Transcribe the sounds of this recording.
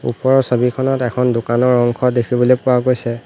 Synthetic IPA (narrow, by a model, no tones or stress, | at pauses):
ṵpɔɹɔsobikʰɔnɔtɛkʰɔndʊkanɔɹɔŋkʰɔdekʰibɔlojpʊwaɡojsɛ